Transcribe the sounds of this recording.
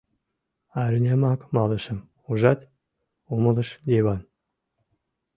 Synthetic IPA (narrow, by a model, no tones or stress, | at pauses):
ɑɾʲnʲæmɑkmɑlə̆ʃə̆m | uʒɑt̪ʲ | uməlɤ̆ʃd̪ʲeβɑn